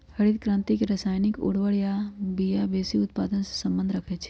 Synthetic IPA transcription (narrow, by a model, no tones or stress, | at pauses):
hɐɽit̪kɾãnt̪ikeɾɐsaːjnɪkʊ̰ɽʋəɽjabijabeːsiʊt̪paːd̪ənse̥sɐ̃mbə̃nd̪ʱɾɐkʰet͡ʃʰe̥